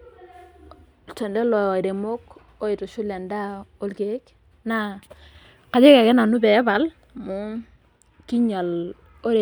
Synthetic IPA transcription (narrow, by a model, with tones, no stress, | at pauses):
tɔ˨ndɛ˦lɔ˨a˨ɾe˨mo˦k | o˦i˨tu˨ʃu˦le˨nda˦o˦lke˨˦k̚ | na˨ | ka˨d͡ʒe˦kɛ˨kɛ˦na˨nu˦bɛ˨˦ba˨l | mu˨˦ | ki˦ɲa˨l | o˦ɾe˨